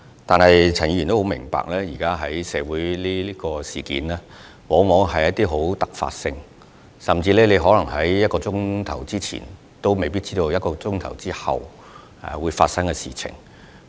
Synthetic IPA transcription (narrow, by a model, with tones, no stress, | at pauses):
t̪aː˨nhɐ˨jt͡sʰnji˧jyː˨˩nt̪o˥ho˨˥mɪ˨˩ŋpa̰ː˨k̚lɛː˥jiː˨˩kaː˥ɦɐ˨˥jsɛː˨˧wuː˨˥jliː˥liː˥kɔː˧siː˨˩kḭː˨˥nlɛː˥ | wɔː˨˥ŋmɔː˨˥ŋɦɐ˨jɐ˥t̚t̪iː˥ɦo˨˥wt̪ɐ˨k̚fa̰ː˧t̚sɪ˧ŋ | sɐ˨˩mt͡siː˧lɛː˥le˨˧jɦɔː˨˥lɐ˨˩ŋɦɐ˨˥jjɐ˥t̚kɔː˧t͡sʊ˥ŋt̪ʰɐ˨˩wt͡siː˥t͡sʰḭː˨˩n | t̪o˥wme˨jpi˥t̚t͡siː˥t̪o˧wjɐ˥t̚kɔː˧t͡sʊ˥ŋt̪ʰɐ˨˩wt͡siː˥hɐ̰˨w | wuː˨˧jfa̰ː˧t̚sɐ˥ŋkɛ˧siː˨t͡sʰɪ̰˨˩ŋ